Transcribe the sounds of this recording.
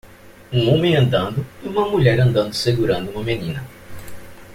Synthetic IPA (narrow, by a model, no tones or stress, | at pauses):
ũŋõmẽɐ̃nd̪ɐ̃nd̪ʊiũmɐmuʎɛɾɐ̃nd̪ɐ̃nd̪ʊseɡuɾɐ̃nd̪ʊuũmɐmenĩnɐ